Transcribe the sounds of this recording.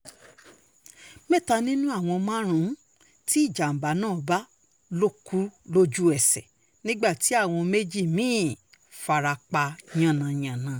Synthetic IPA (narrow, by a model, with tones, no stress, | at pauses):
mẽ˦˨ta˧nĩ˦nũ˦a˦˨w̃ɔ̃˧mã˦ɾ̃ũ˨˦ | ti˦i˦˨d͡ʒa˨m̩˨ba˨˦nãː˦˨ba˦ | lo˦˨ku˨˦lo˦d͡ʒu˦ɛ˦˨sɛ̰˨ | nĩ˦ɡ͡ba˦˨ti˨˦a˦˨w̃ɔ̃˧me˦d͡ʒi˦˨mĩː˦˨ | fa˧ɾa˧k͡pa˧ɲã˦˨nã˨ɲã˨nã˨˧